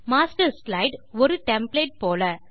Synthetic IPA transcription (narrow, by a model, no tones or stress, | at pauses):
maːsʈɐɾslɐɪɖɔɾɯʈɛmpleːʈ̚poːlɐ